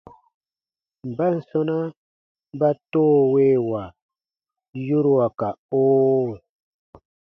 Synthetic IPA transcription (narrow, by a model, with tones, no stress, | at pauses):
m̩˨ba˦n̩˨sɔ˦na˦ | m˦ba˦toː˦we˦wa˨ | ju˦ɾwa˨ka˨o˦